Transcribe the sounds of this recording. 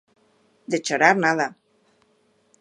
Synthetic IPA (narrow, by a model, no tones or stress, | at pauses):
d̪et͡ʃoɾaɾnaða